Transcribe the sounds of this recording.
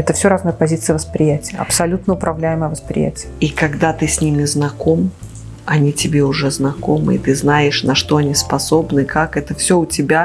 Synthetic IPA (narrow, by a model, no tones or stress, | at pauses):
ɛt̪əfsʲoɾaznəjəpɐzʲit̪sɨjəvəspɾʲɪjætʲɪjəɐ̰psɐlʲut̪nəʊpɾʔɐvlʲæjɪməjəvəspɾʲɪ̰jæ̰tʲɪjəikɐɡd̪at̪ɨsʲnʲimʲɪznɐko̞m | ɐnʲitʲɪbʲeʊʐɛznɐkomɨ̰ɪ̰t̪ɨznajɪʂnɐʂt̪o̞ɐnʲispɐso̞bnɨkakɛt̪əfsʲoʊtʲɪbʲa